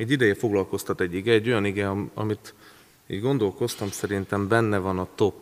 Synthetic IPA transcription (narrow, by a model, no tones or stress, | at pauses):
ɛɟːid̪ɛjɛfo̞ɡlɒlko̞st̪ɒt̪ɛɟːiɡɛːɟːo̞jɒniɡɛɒɒ̰mit̪ | ḭːd̪ɡo̞nd̪o̞lko̞st̪ɒmsɛɾint̪ɛmbɛnːɛvɒnɒt̪o̞pː